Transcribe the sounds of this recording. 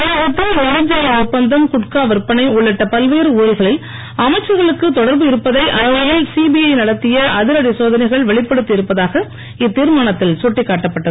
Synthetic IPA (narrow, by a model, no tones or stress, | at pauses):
ɐʊt̪ːɐɛmɐd͡ʒɐjɐʊpːɐnd̪ɐmkʊʈkaːʋɐɾpɐnɐɪʊɭːɪʈːɐpɐlʋeːɾɯuːɻɐlɣɐɭɪl | ɐmɐɪt͡ʃːɐɾɣɐɭɯkːɯt̪ɔɽɐɾbɯɪɾɯpːɐðɐɪʔɐɾɐʋɐjɪlsibiɐɪnɐɽɐt̪ːɪjɐɐðɪɾɐɽisoːðɐnɐɪɣɐɭʋɛɭɪpːɐɽɯt̪ːɪɪɾɯpːɐðaːɣɐ | ɪt̪ːiːɾmaːɳɐt̪ːɪlsɔʈːɪkːaːʈːɐpːɐʈːɐðɯ